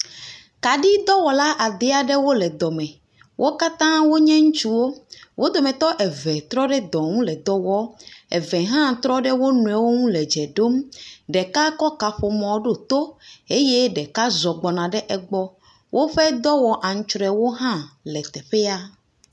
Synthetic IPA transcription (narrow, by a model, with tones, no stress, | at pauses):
ka˨ɖi˦d̪ɔ˦wɔ˨la˦ʔa˨d̪e˦a˨ɖe˦wo˦lɛ˨d̪ɔ˨mɛ̃˨ | wʔo˦ka˦t̪ã˦wo˦ɲɛ̃˦ŋũ˦t͡ʃu˦wo˦wʔo˦d̪o˨mɛ̃˨t̪ɔ˦ʔɛ˨vɛ˨t̪ɾɔ˦ɖɛ˦d̪ɔ̃˨ŋũ˦lɛ˨d̪ɔ˦wɔ˦ɛ̰˨vɛ̃˨ɦã˦t̪ɾɔ˦ɖe˦wo˦nũ˨ɛ˨wo˦ŋũ˦lɛ˨d͡ʒɛ˨ɖo˦mɖɛ˨ka˦kɔ˦ka˨ɸo˨mɔ̃˨˦ɖo˦˨t̪o˦e˦je˦ɖɛ˨ka˦zɔ˨ɡ͡bɔ˨nã˨ɖɛ˦ʔɛ˨ɡ͡bɔ˦ | wʔo˦ɸe˦d̪ɔ˦wɔ˨ʔa˨ŋ̩̃˦t͡ʃɾɛ˨wo˦ɦã˦lɛ˨t̪ɛ˨ɸe˦a˦